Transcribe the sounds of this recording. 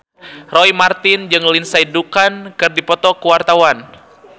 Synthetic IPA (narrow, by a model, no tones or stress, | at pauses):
rɔimart̪ɪnd͡ʒɨŋlinsaidukankɨrdipɔt̪ɔkuwart̪awan